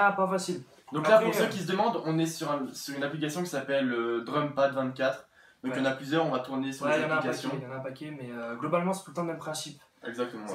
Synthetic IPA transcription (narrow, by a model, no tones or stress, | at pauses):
apafasil | d̪ɔ̃kklapuʁsøkʲis̬əd̪əmɑ̃d̪ɔ̃nɛsyʁɛ̃syʁynaplik̬asjɔ̃kʲi̥sapɛlːəd̪ʁœmpad̪vɛ̃t̪̚kʲat̪χ | d̪ɔ̃kjɑ̃naplyzjœʁɔ̃vat̪uʁnesyʁlezankaasjɔ̃jɑ̃naɛ̃pakʲemɛøɡlɔbalmɑ̃sɛ̥t̪ult̪ɑ̃d̪mɛmpχɛ̃sip | ɛɡzak̚t̪əmɑ̃